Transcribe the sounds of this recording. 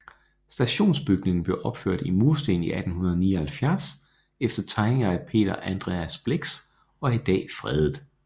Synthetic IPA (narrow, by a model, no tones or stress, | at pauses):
sd̥æɕo̝̰ːnsb̥yɡ̥ne̝ŋn̩b̥le̝ʊʔɒ̽b̥føɐ̰d̥imuɐsd̥e̝̰ːn̩iʔæd̥n̩hunɐð̞ˠniːɐhælfjæɐs | efd̥ɐt͡sʰɑ̈ɪneŋɐæpʰe̝̰ːd̥ɐʔænd̥ʁḛæsb̥le̝ɡ̥s | ɒ̽ɐid̥ɛ̰ːfʁɛð̞ˠð̩ˠ